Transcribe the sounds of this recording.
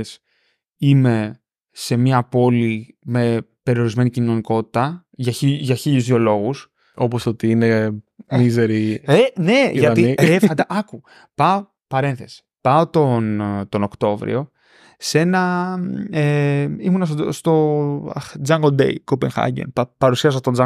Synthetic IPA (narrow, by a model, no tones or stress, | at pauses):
s | ime̞ | se̞miɐpo̞lime̞pe̞ɾio̞ɾizme̞nicino̞niko̞t̪i̥t̪ɐʝɐiʝɐçiʎuzðio̞lo̞ɣus | oposot̪iinemizeɾiene̞ʝɐt̪iefɐd̪ɐʔɐku | pɐo | pɐɾe̞nθe̞si̥pɐot̪ont̪o̞no̞kt̪o̞vɾḭo̞ | se̞nɐ | eimunɐsst̪o̞ | d͡zɐŋɡod̪ḛjkopenxɐ̰ɟḛnppɐɾusiɐs̬ɐt̪ond͡zɐ